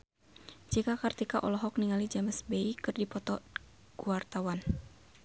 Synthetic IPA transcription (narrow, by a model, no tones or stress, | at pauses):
d͡ʒikakart̪ikaʔɔlɔɦɔk̚niŋalid͡ʒaməsbeikɨrdipɔt̪ɔ | ɡ̥uart̪awan